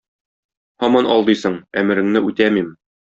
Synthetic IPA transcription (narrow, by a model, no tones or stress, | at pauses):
hɒmɑnʔɒ̰lˠd̪ɤjsɤɴæmɘ̆ɾɘ̆ŋnɘʉt̪æmim